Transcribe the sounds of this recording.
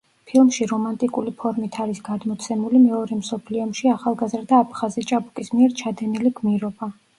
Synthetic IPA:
pʰilˠmʃiɾɔmant̪ʼikʼulipʰɔɾmit̪ʰaɾisɡad̪mɔt̪sʰɛmulimɛɔɾɛmsɔpʰliɔmʃiaχalˠɡazɾd̪aːpʰχazit͡ʃʼabukʼismiɛɾt͡ʃʰad̪ɛniliɡmiɾɔba

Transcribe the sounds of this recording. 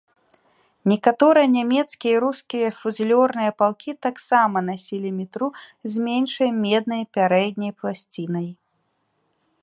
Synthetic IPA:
nʲɛkat̪ɔɾɨjɐnʲamʲɛt̪skʲijɐiɾuskʲijɐfuzʲlʲɔrnɨjɐpalˠkʲʰit̪aksamɐnasʲilʲimʲit̪ɾuzʲmʲɛnʲʂɐjmʲɛd̪nɐjpʲaɾɛd̪̚ʲnʲɐjplˠasʲt͡sʲinɐj

